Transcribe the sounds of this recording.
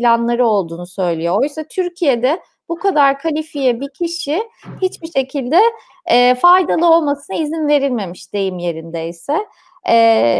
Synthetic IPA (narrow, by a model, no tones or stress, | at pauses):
plʲanlˠaɾɯo̞lˠd̪uːnusø̞jlʲijoojysat̪ʰyɾcʰije̞d̪ɛ | bukʰad̪aɾkʰalʲifijɛbicʰiʃihit͡ʃbiʃe̞cʰilʲd̪ɛː | fajd̪alˠɯo̞lˠmasɯnaizinve̞ɾilʲme̞miʃd̪̥e̞jimje̞ɾind̪ɛisɛː